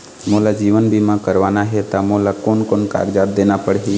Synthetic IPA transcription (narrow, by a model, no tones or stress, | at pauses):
molad͡ʒiʋənbʱimãkəɾʋanaɦet̪amolakoːnkoːnka̰ːɾd͡ʒad̪enapəɽɦi